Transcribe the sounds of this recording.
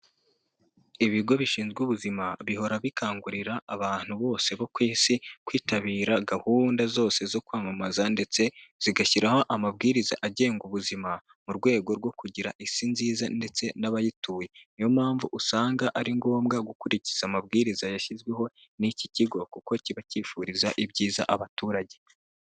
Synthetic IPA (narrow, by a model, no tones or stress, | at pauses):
iβiɡo̞βiʃiːnzɡwuβuzimaβiho̞ɾaβikʰaːŋɡuɾiɾaʔːβaːn̥huβo̞ːse̞βo̞kwiːsikwiːtaβiːɾaɡahuːndazo̞ːse̞zo̞kwaːmamazande̞t͡se̞z̥iɡaçiɾaho̞ʔamab̚ɡiːɾiza̰ʔaɟe̞ːŋɡuβuzima | muɾɡwe̞ːɡo̞ɾɡwo̞kuɟiɾa̰ʔisinziːzande̞t͡se̞naβajituːjenijo̞mhaːɱvuʔusaːŋɡaʔaɾiŋɡo̞ːmɡaɡukuɾici̥z̥amabɡiːɾizajaʃizɡweɦo̞ | niciciɡo̞kuko̞ciβaciːfuɾizaʔibɟiːza̰ʔaβatuːɾaɟe̞